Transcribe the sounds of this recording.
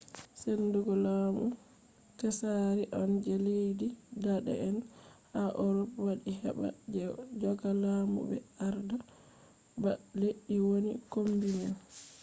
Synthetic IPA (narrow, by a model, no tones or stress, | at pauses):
sɛnduɡɔlamu | tɛsaɾiʔɔnd͡ʒɛlejdidaɗɛ̰ɛnhaʔɔɾɔpwaɗiɦɛ̰ba̰d͡ʒɛd͡ʒɔɡalamṵbɛ̰aɾda | baleʔːiwonḭkombinan